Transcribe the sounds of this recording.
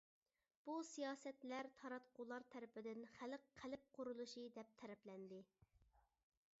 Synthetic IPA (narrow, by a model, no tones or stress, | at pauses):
b̥usijɑːsɛt̪læɾt̪ʰɑɾɑt̪qʰʊlˠɑɾt̪ʰæɾɪpʰɪd̪ɪnχælqʰːælɪp̚qʰʊɾulˠuʃɨd̪ɛp̚t̪ʰɛɾɛplɛnd̪ɪ